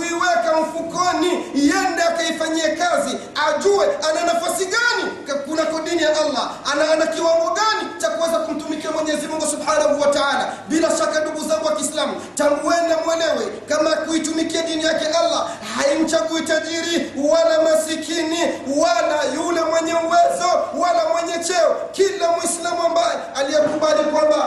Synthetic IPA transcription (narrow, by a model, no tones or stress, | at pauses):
uiwɛkam̩fukɔnijɛndaakaifaɲiɛkazi | aʄuɛananafasiɠani | kunakaɗinijaʔalːaanaanakiwaŋɡɔɡanit͡ʃakuwɛzakum̩tumikiamwɛɲɛɛzimuŋɡusubħanahuwataʕalaɓilaʃakaɗuɡuzaŋɡuwakiːslamu | taŋɡuɛnamwɛlɛwɛkamakuitumikiaɗinijakɛʔalːa | hain̩t͡ʃakuitaʄiɾiwalamasikiniwalajulɛmwɛɲɛuwɛzɔwalamwɛɲɛt͡ʃɛɔkilamwislamuambajɛ | alijɛkuɓalikwamba